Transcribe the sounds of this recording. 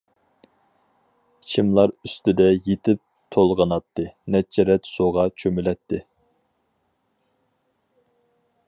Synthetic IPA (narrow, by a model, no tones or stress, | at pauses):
t͡ʃʰimlˠɑɾyst̪ɪd̪ɛjet̪ʰɪp̚ | t̪ʰolˠʁɑnɑt̪ʰːɨnɛt͡ʃʰːɛɾɛt̪soʁɑt͡ʃʰømylɛt̪ʰːɪ